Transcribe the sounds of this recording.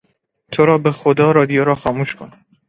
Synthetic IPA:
t̪ʰoɾɒːbexod̪ɒːɾɒːd̪ijoɾɒːxɒːmuːʃkʰon

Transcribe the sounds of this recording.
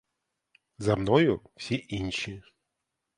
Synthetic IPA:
zɐmnɔjʊw̥sʲiʔinʲʃi

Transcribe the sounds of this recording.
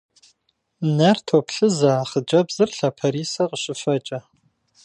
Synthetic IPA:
nɐrtʰopɬɨzaːχəd͡ʒʼɐbzɨrɬɐpʰɐɾiːsɐqəɕɪfɐt͡ʃʼɐ

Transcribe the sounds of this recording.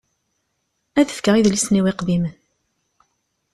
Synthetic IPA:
æðə̥fkəʁiðlisniwiqðimən

